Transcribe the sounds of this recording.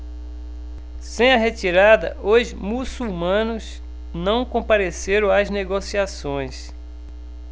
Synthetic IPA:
sẽj̃ɐɦet͡ʃiɾad̪ɐ̰ozmusumɐ̃nʊz | nɐ̃w̃kõpaɾeseɾɐ̃w̃ɐzneɡosiasõj̃s

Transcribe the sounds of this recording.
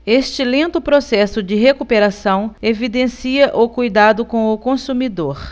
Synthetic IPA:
est͡ʃɪlẽnt̪ʊpɾosɛsʊd͡ʒɪɦekupeɾasɐ̃w̃evid̪ẽsiɐʔʊkujd̪ad̪ʊkõw̃ʊkõsumid̪oɾ

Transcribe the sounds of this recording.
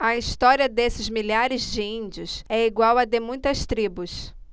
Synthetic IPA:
ɐist̪ɔɾiɐd̪esɪzmiʎaɾɪzd͡ʒɪĩnd͡ʒiʊsɛiɡwawɐd̪emũj̃t̪ɐst̪ɾibʊs

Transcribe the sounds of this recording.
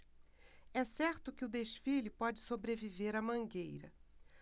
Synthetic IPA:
ɛsɛɾt̪ʊkɪʊd̪eʃfilɪpɔd͡ʒɪsobɾeviveɾɐmɐ̃ŋɡejɾɐ̰

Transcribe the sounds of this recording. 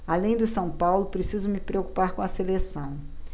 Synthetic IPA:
alẽj̃d̪ʊsɐ̃w̃pawlʊpɾesizʊmɪpɾeoku̥paɾkõɐselesɐ̃w̃

